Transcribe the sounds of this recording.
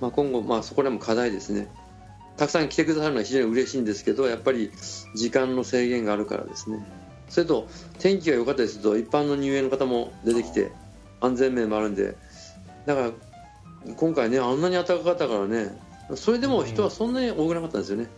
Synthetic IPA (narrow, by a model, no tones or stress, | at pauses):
maːkõŋɡo̞maːso̞ko̞d̪e̞mo̞kʰad̪aid̪e̞sɨne̞ | t̪akɯ̟sãŋkʲi̥t̪e̞kɯ̟d̪asaɾɯnoaçiʑoːɲ̟iɯ̟ɾe̞ɕiːnd̪e̞sɨ̥ke̞d̪o̞japːaɾʲid͡ʑikãnːo̞se̞ːɡẽ̞ŋɡaːɾɯ̟ka̰ɾa̰d̪e̞̰sɨne̞ | so̞ɾet̪o̞ | t̪ʰẽ̞ŋk̬ʲiɡajo̞kat̪ːad̪ʲisɨt̪o̞ipːãnːo̞ɲ̟ʲɨːe̞ːnokat̪amo̞d̪e̞t̪e̞kʲi̥t̪e̞̰ | ãnd͡zẽ̞mːe̞ːmo̞aɾɯ̟̃nd̪e̞̰ | d̪akaɾa | kõ̞ŋkaine̞ãnːaɲ̟iat̪ːakakat̪ːakaɾane̞ | so̞ɾe̞d̪e̞mo̞çi̥t̪o̞βasõ̞nːaɲ̟io̞ːkɯ̟nakat̪ːand̪esijo̞ne